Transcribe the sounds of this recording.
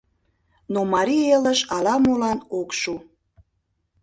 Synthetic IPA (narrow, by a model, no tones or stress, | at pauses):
nomɑɾieləʃɑlɑmulɑnokʃu